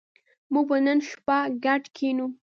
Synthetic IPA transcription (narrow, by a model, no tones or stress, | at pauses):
muɡ̚banənʃpaɡaʈkʰenu